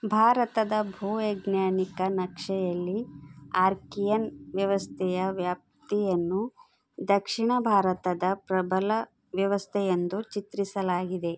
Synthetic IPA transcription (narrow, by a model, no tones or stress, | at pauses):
bʱaːɾɐt̪ɐd̪ɐbʱuːʋeɡnaːnikɐnɐkʂɛjɐlːiaːɾkijɐnʋjɐʋɐst̪ʰɛjɐʋjaːp̚t̪ijɐnːu | d̪ɐkʂiɳɐbʱaːɾɐt̪ɐd̪ɐpɾɐbɐlɐ | ʋjɐʋɐst̪ʰɛjɐnd̪ut͡ʃit̪ɾisɐlaːɡid̪e̞